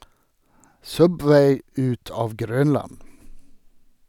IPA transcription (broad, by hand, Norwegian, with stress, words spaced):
ˈsœbʋæɪ ˈʉt ˈɑːʋ ˈɡɾœnlɑn